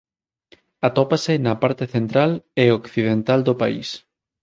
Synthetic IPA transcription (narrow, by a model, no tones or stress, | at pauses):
at̪ɔpasɪnɐpaɾt̪eθent̪ɾaleokθiðent̪ald̪opa̰ḭs